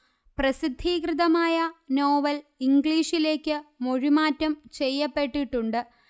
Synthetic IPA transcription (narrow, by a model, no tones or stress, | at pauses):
prɐsid̪ʱːiːkrɨðɐmaːjɐno̞ːʋɐliŋɡɭiːʂile̞ːkːɨmo̞ɻimaːtːɐmt͡ɕe̞jːɐpːe̞ʈːiʈːuɳɖɨ